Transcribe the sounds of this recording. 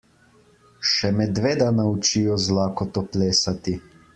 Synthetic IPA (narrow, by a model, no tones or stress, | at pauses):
ʃɛmɛd̪ʋeːd̪anaut͡ʃijɔzlaːkɔt̪ɔpleːsat̪i